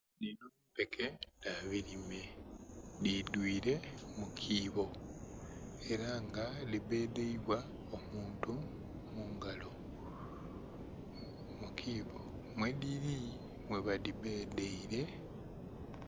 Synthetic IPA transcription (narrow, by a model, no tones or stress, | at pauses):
ninu | pe̞kʰedaβiɾime | didwiːɾe̞mukʰiːβo̞ | e̞ɾaŋɡalibe̞ːde̞iβwa | omuːntu | muŋɡalo̞ | mukʰiːβo̞ | mwe̞diɾi | mwe̞βalibe̞ːdeiɾe̞